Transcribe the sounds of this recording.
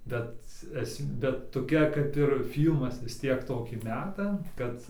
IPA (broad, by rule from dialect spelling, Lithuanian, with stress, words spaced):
bʲɛt ˈɛsm ˈbʲɛt toːˈkʲɛ kɐp ɪr ˈfʲiːlˠmɐs ʋʲɪs ˈtʲiɛk ˈtoːkʲiː ˈmʲæːtɐ ˈkɐt